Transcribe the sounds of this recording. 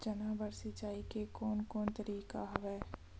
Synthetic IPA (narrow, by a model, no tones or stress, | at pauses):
d͡ʒɐnabəɾsɪt͡ʃaːikekɔːnkɔːnt̪əɾiːka̰ɦɐʋɛː